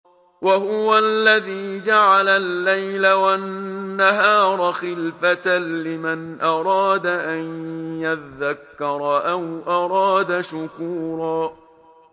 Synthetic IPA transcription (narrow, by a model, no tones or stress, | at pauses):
wahʊwalːaðiːd͡ʒaʕalalːajlawanːaɦɑːɾˤɑxɪlfat̪lɪmanʔɑɾˤɑːd̪aʔanjaðːakːɑɾˤɑʔawʔɑɾˤɑːd̪aʃʊkuːɾˤɑː